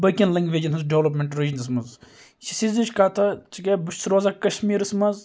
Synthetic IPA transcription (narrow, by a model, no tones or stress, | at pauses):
bɐkʲɐnlɐŋɡʋeːd͡ʒɐnɦɐzɖeʋlɐp̬mʲeɳʈɾid͡ʒɐnɐs̬mɐz | ʃisizit͡ʃʰʲkaːt̪ʰɐt͡ʃikɐbuʃʰsɾoːzaːkɐʃmiːɾɨsmɐz